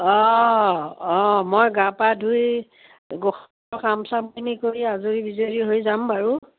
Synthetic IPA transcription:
ɔ | ɔmojɡapadʱuj | ɡox | ɔkamsamkʰinikoɹiazuɹibizoɹiɦojzambaɹu

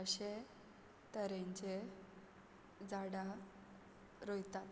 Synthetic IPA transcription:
əɕe | t̪əɾẽɲt͡ɕe | d͡zaɽa | ɾojt̪at̪

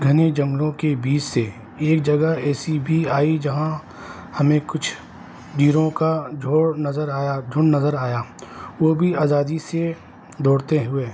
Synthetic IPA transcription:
ɡʱɐned͡ʒɐ̃ŋɡlõkebiːt͡ʃse | eːk̚d͡ʒɐɡəɦɛːsibʱiaːid͡ʒɐɦã | hɐmẽkʊt͡ʃʰ | ɖiːɾõkad͡ʒoːɽnəzəɾaːjad͡ʒʱʊɳnɐzəɾaːjaːʋobʱiaːzaːd̪ise | d̪ɔːɽt̪eɦʊeː

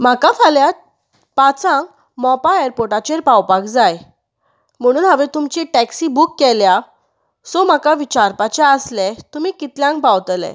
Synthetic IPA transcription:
m̤akafaljat̪ | pat͡sãŋk | mɔpaeɾpoɾʈat͡ɕeɾpawpakd͡zaj | m̤əɽ̃uːnɦaʋet̪umt͡ɕiʈæksibukːɛlja | sɔm̤akaʋit͡ɕaɾpat͡ɕɛəslɛt̪umiːkit̪ljãŋkpawt̪lɛ̰̃

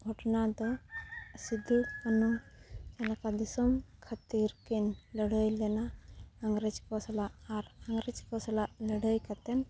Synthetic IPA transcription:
bʱɔʈnad̪ɔ | sid̪ʱiɽpanut͡ʃanakad̪isɔmkʰat̪iɾkinləɽəjlɛnaːŋɡɾɛd͡ʒkɔslaʔːɾaŋɡɾɛd͡ʒkɔslaʔləɽəjkat̪ɛn

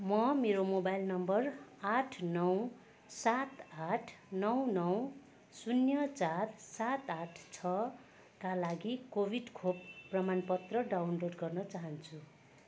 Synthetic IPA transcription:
mʌmeɾomobajlnʌmbʌraʈʰnʌw | sat̪aʈʰnʌwnʌw | sunjʌt͡satsat̪aʈʰt͡sʰʌ | kalaɡikobʱiɖkʰopːrʌmanpʌt̪rʌɖawnloɖɡʌrnʌt͡saɦʌnt͡sʰu

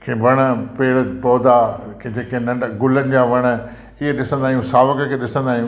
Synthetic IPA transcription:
kʰeːʋɐɽ̃əpeːɽəpɔːd̪akʰed͡ʑeːkẽnɐ̃ɖɡʊlənɪ̆d͡ʑaːʋɐɽ̃ə̆ | ɪɦeɗɪsə̃nd̪aːɦiũːsaːʋəkəkʰeːɗɪsə̃nd̪aːɦijũː

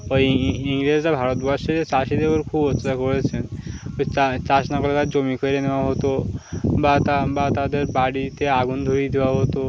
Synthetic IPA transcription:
ɔiŋled͡ʑɾabʱaɾɔt̪bɔɾʃeet͡ʃaʃid̪ebɔɾkʰubɔtʰːet̪akɔɾet͡ɕʰen | at͡ʃaʃnakɔlet̪ad͡ʑomikʰojɾenewaɦot̪obat̪abat̪ad̪eɾbaɽit̪eaɡund̪ʱoɾid̪ewaɦot̪o

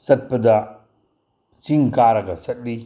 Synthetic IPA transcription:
sɐt̚pɐdɐ | siŋkaɾɐɡɐsɐt̚li

